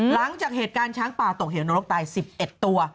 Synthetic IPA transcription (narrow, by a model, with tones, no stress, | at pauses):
la˩˦ŋt͡ɕaː˨˩k̚heː˨˩t̪̚kaː˧nt͡ɕʰaː˦˥ŋpaː˨˩t̪o˨˩k̚ɦeː˨˩˦nuː˧ɾo˦˥k̚t̪aː˧jsi˨˩p̚ʔe˨˩t̪ːu˧ɐ